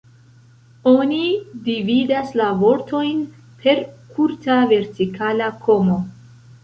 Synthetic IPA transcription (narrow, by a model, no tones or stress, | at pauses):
o̞nidividaslavo̞ɾto̞jn | pʰe̞ɾkʰuɾtave̞ɾtikʰalakʰo̞mo̞